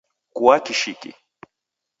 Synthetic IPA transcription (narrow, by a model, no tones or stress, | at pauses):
kuakiʃikḭ